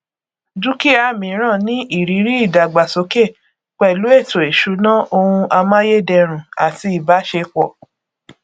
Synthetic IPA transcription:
d͡ʒu˦ki˦a˧˦˨mĩ˨˦ɾ̃ã˦˨nĩ˦i˦˨ɾi˨˦ɾi˦i˦˨da˨ɡ͡ba˨so˨˦ke˦˨ | k͡pɛ˨lu˨˦e˦˨to˨e˨ʃu˨˦nã˦o˧hũ˧ʔa˧mã˦je˦˨dɛ˧ɾ̃ũ˨a˨ti˧i˨ba˨˦ʃe˧k͡pɔ˨

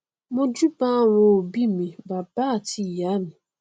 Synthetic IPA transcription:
mʊ˦d͡ʒu˦ba˦wo˨o˨bi˦mi˨ba˨ba˦˨ti˦˨ja˨˦mʊ̃˨

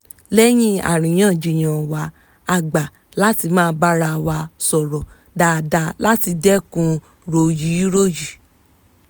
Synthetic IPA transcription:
lɛ˦j̃ĩ˦a̰˨ɾ̃ĩ˨j̃ãː˦˨d͡ʒi˧˨j̃ã˨wa˧˦ | a˧˨ɡ͡ba˨ | la˦ti˧mãː˦˧˦ba˦ɾa˧wa˧sɔ˨ɾɔ˨ | da˨da˧la˦ti˧dɛ˦kũ˧ | ɾo˨ji˨˦ɾo˦˨ji˨

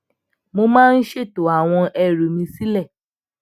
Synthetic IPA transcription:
mo˧mãː˦˧n̩˦ʃe˦˨to˨a˨w̃ɔ̃˧ɛ˨ɾu˨mĩ˧si˦lɛ˦˨

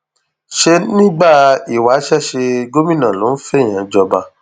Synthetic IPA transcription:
ʃe˧nĩ˦ɡ͡ba˦˨i˨wa˨˦ʃɛ˦˨ʃe˧ɡo˦mĩ˦˨nã˨lo˨˦fɛ˦˨j̃ã˨d͡ʒɔ˧ba˧

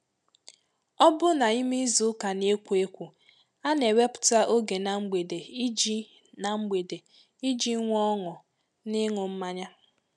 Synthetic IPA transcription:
ɔ˦bʊ˦na˨i˦mi˦zʊ˦ka˨ne˦kʷe˦kʷu˨ | a˦ne˨we˦pʊ̥˨ta˦ʔo˦ɡe˨na˨ŋ͡m̩˦ɡ͡be˨de˨i˦d͡ʒi˦ | na˨ŋ͡m̩˦ɡ͡be˨de˨ | i˦d͡ʒi˦ŋʷ˦ɔ˦ŋʊ˨ | nɪ˦ŋʊ˨m̩˦ma˦ɲa˦

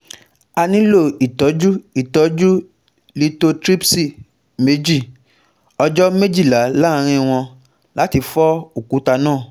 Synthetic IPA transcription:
a˧nĩ˦lo˦˨i˨tɔ˨˦d͡ʒu˦i˦˨tɔ˨˦d͡ʒu˦ | li˦to˧tɾi˦psi˦˨ | me˨˦d͡ʒi˦˨ | ɔ˧d͡ʒɔ˦me˦d͡ʒi˦˨la˨˦la˦˧ɾ̃ĩ˧w̃ɔ̃˧ | la˨˦ti˧fɔ˦o˨ku˨˦ta˧nãː˦˨

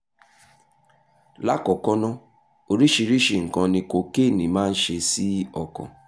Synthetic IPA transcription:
la˦kɔ˨kɔ˦nɔ̃˦ | o˧ɾi˦ʃi˧ɾi˦ʃi˨ŋ̩˨kã˧nĩ˧ko˨ke˦˨nĩ˨mãː˦n̩˦ʃe˧si˦ɔ˨kɔ̰̃˨

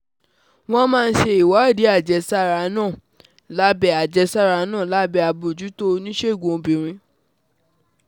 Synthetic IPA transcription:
w̃ɔ̃˦mãː˦˧n̩˦ʃe˧i˨wa˨˦˨di˨˦a˦˨d͡ʒɛ˨˦sa˦ɾa˧˨˦nãː˦˨ | la˦bɛ˧˨a˨d͡ʒɛ˧˦sa˦˨ɾa˨˧˨nãː˦˨la˦bɛ˧˨a˧bo˨d͡ʒu˨˦to˦nĩ˦ʃe˦˨ɡõ˨˧bĩ˨ɾ̃ĩ˧

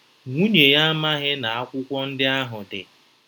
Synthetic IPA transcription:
ŋʷu˦ɲe˨ja˦ma˦ɦɪ˦na˨a˦kʷʊ˦kʷɔ˦n̩˦dɪ˦a˦ɦʊ˨dɪ˨

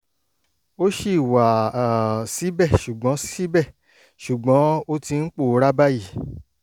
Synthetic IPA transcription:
o˦ʃi˦˨wa˨ | si˨˦bɛ˦˨ʃu˨ɡ͡bɔ̃˨˦ssi˦bɛ˦˨ | ʃu˨ɡ͡bɔ̃˨˦o˦ti˧n̩˦k͡po˦˨˦ɾa˦ba˦ji˦˨

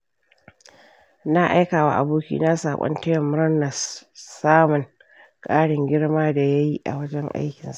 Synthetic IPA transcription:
na˦ʔa˦jkaː˨wa̰ː˨ʔa̰˨buː˦kʲḭː˦na˦sa̰ː˨kʷʼɔ̰˦ntɐ˦jɔ˨mːʊ˦ɾnɐ˨ssaː˦mʊ˨ŋ | kʼaː˦ɽɪ˨ŋɡʲɪ˦ɽmaː˦da˨ja˦ji˦ʔa̰˨wɐ˦d͡ʒɛ˦ŋʔa̰˦jkʲɪ˨nsa˦ʔ

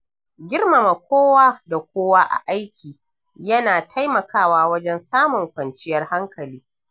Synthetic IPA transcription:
ɡʲɪ˦rma˨ma˨kʷoː˦waː˦da˨kʷoː˦waː˦ʔa̰˨ʔa˦jkʲʰiː˨ | jɐ˦naː˨tʰa˦jmɐ˨kaː˦waː˦wɐ˦d͡ʒɛ˦nsaː˦mʊ˨ŋkʷɐ˨nt͡ʃɪ˦jɐ˦rha˦ŋkɐ˨liː˦

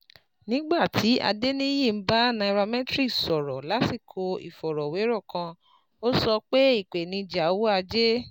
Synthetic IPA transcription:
nĩ˦ɡ͡ba˦˨tʰi˨˦a̰˧de˦nĩ˦jĩ˦˨m̩˦ba˦nã˧ɾa˧mɛ̃˦tɾi˦sɔ˨ɾɔ˨la˨˦si˦˨kʰo˧ḭ˨fɔ˨ɾɔ˨we˨˦ɾɔ˦˨kã˧ | o˦sɔ˧k͡pe˦i˦˨k͡pe˨nĩ˧d͡ʒa˨˦wo˦a˧d͡ʒe˦

